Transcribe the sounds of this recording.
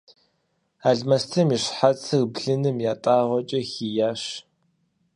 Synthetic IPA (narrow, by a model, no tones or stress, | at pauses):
aːɮmɐstʰɐmiɕħat͡sʰɨrbɮɨnɨmjaːtʼaːʁʷɔt͡ʃʼɐxiːjaːɕ